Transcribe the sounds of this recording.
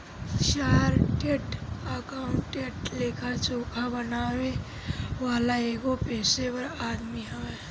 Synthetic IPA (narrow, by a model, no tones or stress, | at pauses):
ʃaːɾʈeʈəkaːʊɳʈːeʈleːkʰat͡ʃoːkʰabənaːwe | waːlaeːɡopɛːsepəɾaːd̪miɦɐe